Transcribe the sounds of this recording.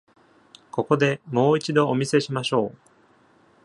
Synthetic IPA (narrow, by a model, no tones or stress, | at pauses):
ko̞ko̞d̪e̞mo̞ːit͡ɕid̪o̞ːmʲise̞ɕimaɕo̞ː